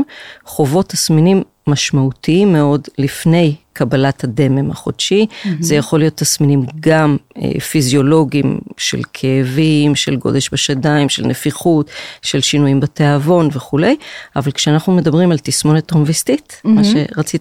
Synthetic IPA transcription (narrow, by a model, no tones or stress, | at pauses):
χo̞vo̞t̪ʰasminimːaʃmautʰiimːe̞o̞dlifne̞jkʰabalathade̞me̞mha̰χod̥ʃizejaχo̞lijo̞t̪ːasminimɡamḛfizjo̞lo̞ɡimʃḛlkʰeːvimʃelɡo̞̰d̪e̞ʃbeʃadaimʃelnefiχutʃe̞lʃinujimbeteavo̞nveχule̞javalkʃeanaχnume̞dɐbʁimalt̪ismo̞net̪omvist̪itmaʃe̞ʁat͡si